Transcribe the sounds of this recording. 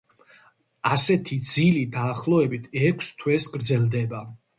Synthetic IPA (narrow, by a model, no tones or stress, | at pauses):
asɛt̪ʰid̪zilid̪aːχlˠɔɛbit̪ʰɛkʰst̪ʰwɛsɡɾd̪zɛlˠd̪ɛba